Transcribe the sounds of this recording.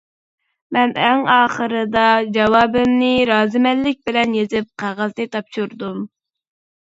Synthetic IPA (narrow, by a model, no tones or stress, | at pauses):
mɛnɛŋɑːχəɾɨd̪ɑd͡ʒɑwɑːbɪmnɪɾɑːzɪmɛllɪk̚ʲbɪlɛnjezɪp̚qʰæʁɑzt̪ɨt̪ʰɑpʃuɾd̪um